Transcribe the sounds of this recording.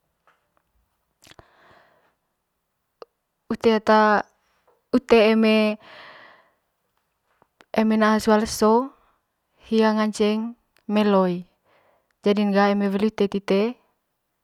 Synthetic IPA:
ut̪eat̪a | ut̪eːme | emenaɦasualso | hiaŋaɲt͡ʃɛŋ | mɛloi | d͡ʒadiŋɡaemewɛliut̪et̪it̪e

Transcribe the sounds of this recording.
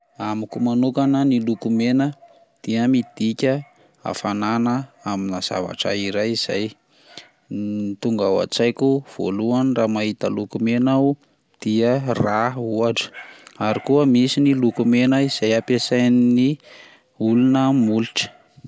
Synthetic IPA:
amikumanukanənilukumenə | d̪̥iəmid̪̥ikʲə | a̰fananəaminaz̥a̰va̰ʈ͡ʂa̰iɾajiz̥a̰j | nit̪uŋɡawa̰t͡sajkʲuv̥o̰luanramaɦit̪əlukumena | d̪̥iərauaɖ͡ʐə̥aɾikuəmisinilukumenəiz̥ajapesajnni | ulunəmuliʈ͡ʂə̥

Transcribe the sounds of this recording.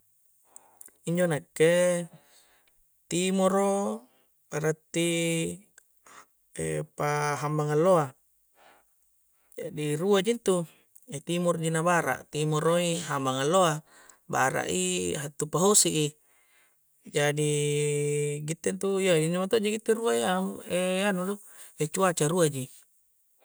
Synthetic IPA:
iɲd͡ʒonakːe | t̪imoɾo | aɾat̪ːi | ḛpaɦambaŋalːoa | d͡ʒadiruad͡ʒint̪u | et̪imɔrd͡ʒinabaɾa̰ʔt̪imɔɾoiɦambaŋalːoa | ba̰ɾa̰ʔḭɦat̪ːupaɦosiʔi | d͡ʒadi | ɡit̪ːent̪uiaiɲamat̪od͡ʒiɡit̪ːeɾuaiaeanudo | et͡ʃuat͡ʃaɾuad͡ʒi

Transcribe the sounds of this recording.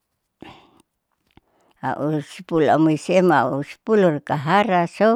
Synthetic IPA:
a̰ʔusi̥pula̰muisemausi̥pulurkaɦaɾaso

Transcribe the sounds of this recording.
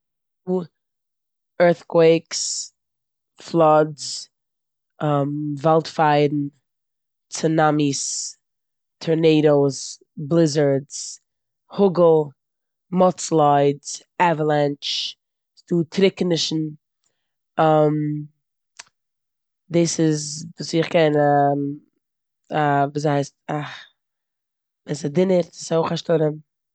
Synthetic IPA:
duː | ɜ˞θkʰweɪks | flˠɔdz | amvɛlˠtfaɪdn̩ | t͡sənamis | tʰɔɹneɪɾoʊs | blˠɪzə˞dz | hʊɡl̩ˠ | mɔt͡slˠaɪdz̥ | ɛvəlˠɛnt͡ʃ | sd̥uːtʰɾɪknɪʃn̩ | ɔm | dɪːsɪzvuːsɪχkɛnam | avuːs̬haɪsta | ɛsadɪnəɾshoʊχaʃtɔɾən

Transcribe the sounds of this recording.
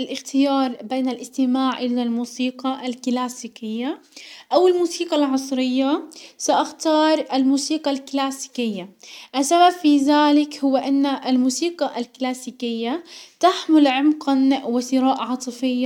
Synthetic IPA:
ʔalʔɪxt̪ɪjɑːɾˤbeːnalʔɪst̪ɪmaːʕʔɪlalmuːsiːqɑʔalklaːsiːkɪjːaʔawɪlmuːsiːqɑlʕɑsˤɾɪjːasaʔaxt̪ɑːɾˤalmuːsiːqalklaːsi̥kɪjːaʔasːababfiːðaːlɪkhʊwːaʔanːaʔalmuːsiːqɑʔalklaːsiːkɪjːat̪aħmʊlʕʊmqanwɪsɪɾaːʔʕɑːt̪ˤɨfɪjːa

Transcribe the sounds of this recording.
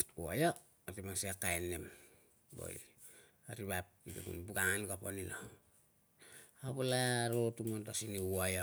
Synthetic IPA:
uaja | atemaŋsiakajnːem | bo̰i | aɾiβap̚itḛkṵnbuɡaŋanɡaponina | aβolaɾotumontasiniuaja

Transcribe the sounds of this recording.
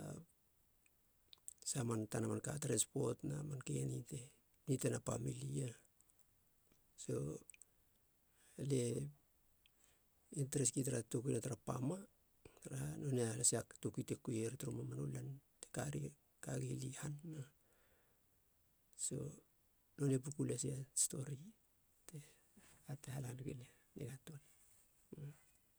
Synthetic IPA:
a | samantanamankatɾanspo̞tnamankenite̞ | nitenapamilia | so̞ | ale̞ | inteɾeskitaɾatukuinataɾapa̰ma | taɾano̞nealasiaktokitekːujeɾetɾomamanulanteka̰ɾi | kaɡilihanːa | so̞̰ | no̞nep̬ukulesiasto̞̰ɾi | te | atehalanɡelea | nḛɡatol

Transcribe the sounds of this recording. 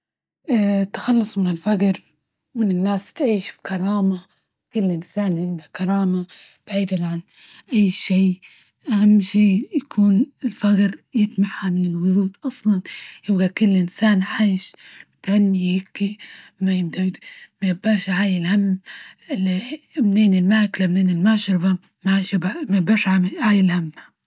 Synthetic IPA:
ʔt̪ːḁxɑlːʊsˤmɪnɪlfaɡɾ | mɪnɪnːaːst̪ʕiːʃfi̥kɑɾˤɑːma | kʊlːʔɪnsaːnʕɪnd̪akɑɾˤɑːma | b̥aʕiːd̪alʕan | ʔajːʃiː | ʔahamːʃiːjakʰuːnɪlfaɡɾjɪt̪maħhamɪnɪlwʊðˤuːt̪ʔɑsˤlɑnjɪbɡakʊlːʔɪnsaːnʕaːʃmɪt̪halːihɪkːimajɪbd̪ad̪majɪbaːʃʕaːjɪlhamːɪlmneːnɪlmaːklabneːnɪlmaʕʃɑɾˤba | maʕaʃbamajɪbaːʃʕaʕaːjɪlhamːha

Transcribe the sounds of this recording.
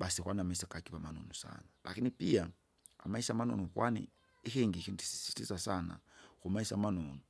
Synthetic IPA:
ɓasikwaniamaisakakiβamanɔ̰nusa̰nala̰kinipia | a̰maisamanɔ̰nukwanḭ | ixɛŋɡixinti̥i̥si̥tizasana̰xumaisamanɔnu

